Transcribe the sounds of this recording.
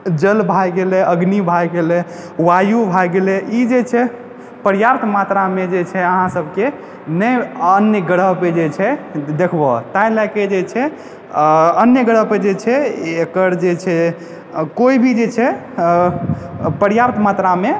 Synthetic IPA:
d͡ʒəlbʱajɡelɛəɡnibʱajɡelɛ | wajubʱajɡelɛid͡ʒet͡ʃʰɛ | pəɾjapt̪mat̪ɾamed͡ʒet͡ʃʰɛəɦãsəbʱke | nəjənjəɡəɽəɦped͡ʒet͡ʃʰɛd̪ekʰbɔt̪ajlaked͡ʒet͡ʃʰɛ | ənjəɡəɽəɦped͡ʒet͡ʃʰɛekəɾd͡ʒet͡ʃʰɛ | koibʱid͡ʒet͡ʃʰɛ | pəɾjapt̪mat̪ɾame

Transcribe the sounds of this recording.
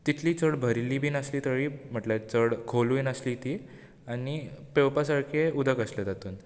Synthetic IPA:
t̪it̪ʰliːt͡səɽbʱəɾliːbʱiːnəsliːt̪əɽiːm̤əʈlat͡səɽkʰoluinəslit̪i | anipewpasaɾkʰeud̪ʱəkəsled͡zat̪uːn

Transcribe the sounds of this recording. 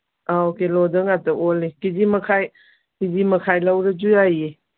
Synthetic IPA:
aokelɔdɯŋatɐolikid͡ʒimɐkʰaj | kid͡ʒimɐkʰajlawɾɐd͡ʒujaje

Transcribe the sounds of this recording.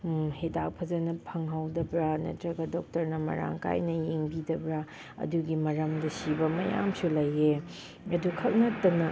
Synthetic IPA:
hedak̚pʰɐzɐnɐpʰɐŋɦawdɐbɾɐnɐ̰tɾɐɡɐdɔk̚tɐɾnɐmɐ̰ɾa̰ŋka̰jnɐjeŋbidɐbɾa | ɐ̰duɡimɐɾɐmdɐsibɐmɐja̰msulɐjːe | ɐdukʰɐk̚nɐtːɐnɐ

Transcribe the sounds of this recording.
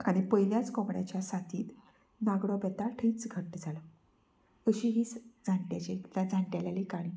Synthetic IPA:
aɽ̃ipəiljat͡skɔmɽja̰t͡ɕjasat̪iːt̪ | naɡɽɔbɛt̪aʈʰəːt͡sɡʱəʈd͡zʱalə | əɕiɦiːt͡sd͡zʱaɳʈjat͡ɕekt̪ad͡zʱaɳʈjaljalikaɽ̃i

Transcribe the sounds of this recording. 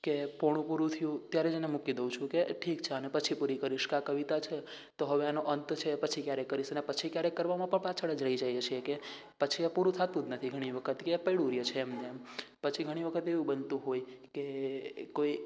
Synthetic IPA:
kepɔɽ̃ũpuɾut̪ʰijũt̪jaɾed͡ʒenemukid̪əũt͡ʃʰũkeʈʰikt͡ʃʰeənepət͡ʃʰipuɾikəɾiʃkãkəʋit̪at͡ʃʰe | t̪oɦəʋeanoʔənt̪t͡ʃʰepət͡ʃʰikjaɾekːəɾiʃənepət͡ʃʰikjaɾekːəɾʋamãpəɳpat͡ʃʰəɭəd͡ʒɾəid͡ʒajet͡ʃʰieke | pət͡ʃʰiepuɾũt̪ʰat̪ũd̪nət̪ʰiɡʱəɽ̃iʋəkʰət̪kepəiɽuɾjət͡ʃʰeːmnempət͡ʃʰiɡʱəɽ̃iʋəkʰət̪eʋũbənt̪ũɦojkekoi

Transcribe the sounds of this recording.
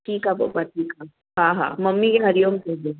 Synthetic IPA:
ʈʰiːkɦapa̰paʈʰiːkɦa | ɦãːɦã̰ːmɐmːikeɦɐɾjoːmked͡ʒe

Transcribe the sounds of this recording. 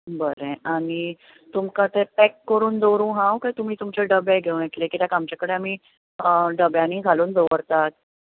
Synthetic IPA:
bəɾẽaɽ̃i | t̪umkãt̪epɛkːəɾuːnd͡zoɾũːɦãwkajt̪um̤iːt̪umt͡ɕeɖəbaɡʱeunjek̪lekit̪jakamt͡ɕakəɽeam̤iː | ɖəbjañiːɡʱaluːnd͡z̪oʋəɾt̪at̪̚

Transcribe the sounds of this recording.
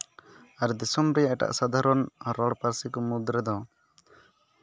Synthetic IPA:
aɾd̪isɔmɾɛjaʔɛʈa̰ʔsad̪aɾɔnɾɔɽpaɾsikɔmud̪ɾɛd̪ɔ

